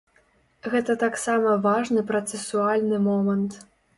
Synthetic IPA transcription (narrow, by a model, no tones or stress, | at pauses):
ɣɛt̪ɐt̪aksamɐvaʐnɨpɾɐt̪sɛsualʲnɨmɔmɐnt̪